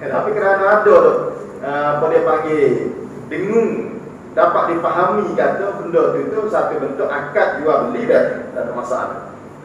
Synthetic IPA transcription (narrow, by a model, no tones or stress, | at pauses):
ət̪apikənanaadɔt̪ɔ | əpolɛhpaŋɡe | dəŋʊŋ | dapaʔ̪̚dipaɦamikat̪ɔkundɔt̪ut̪usapibənt̪ʊkakat̪̚d͡ʒuwabəlidadadɔʔmasaa̰l̰